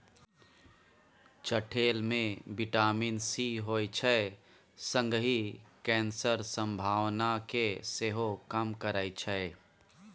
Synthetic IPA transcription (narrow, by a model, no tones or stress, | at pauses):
t͡ʃəʈʰeːlmẽbɪʈaːminsiɦoːjt͡ʃʰəe | sə̃ŋɡɦikɛ̃ːnsəɾsə̃mbʱaːwnakeseɦokəmkəɾəit͡ʃʰəe